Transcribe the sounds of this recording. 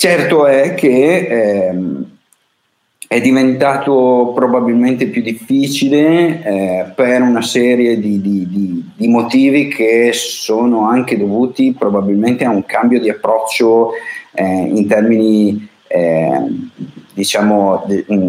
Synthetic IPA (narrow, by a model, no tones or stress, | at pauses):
t͡ʃɛrt̪oɛkʰeɛ | ɛd̪ivent̪aːt̪opɾobabilment̪epjud̪ːifːiːt͡ʃileɛpeɾunasɛːɾjed̪id̪id̪id̪imot̪iːvikʰessoːnoaŋk̟ed̪ovuːt̪ipɾobabilment̪eauŋkambjod̪iapːɾɔt͡ʃːo | ɛḭnt̪ɛrmini | ɛ | d̪it͡ʃaːmod̪